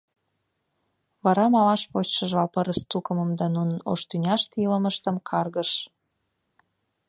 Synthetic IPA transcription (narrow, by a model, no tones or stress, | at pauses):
βɑɾɑmɑmɑʃpot͡ɕʃəʒβɑpəɾəst̪ukəmə̆md̪ɑnunəno̰ʃt̪ynʲɑʃt̪iləməʃt̪əmkʰɑrɣəʃ